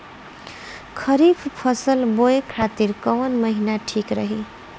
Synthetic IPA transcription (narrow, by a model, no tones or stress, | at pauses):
kʰʌɾibʰʱpʰʌsʌlbojekʰat̪iɾkʌwnmʌɦinaʈʰikɾʌɦi